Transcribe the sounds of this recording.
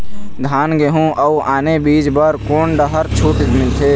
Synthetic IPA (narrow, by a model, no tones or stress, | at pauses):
d̪ʱaːnɡeɦũʔəuʔaːnebiːd͡ʒbəɾkoːɳɖəɦəɾt͡ʃʰut̪mɪlt̪ʰeː